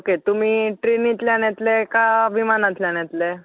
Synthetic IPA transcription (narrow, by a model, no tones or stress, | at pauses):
oket̪um̤iːʈɾenit̪leanɛt̪lekaʋimanat̪leanɛt̪le